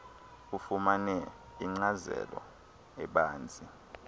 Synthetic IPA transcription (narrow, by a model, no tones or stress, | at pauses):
ufumanɛ | iŋ͡ǀazɛ̰lɔ̰ | ɛɓaːnd͡zʱi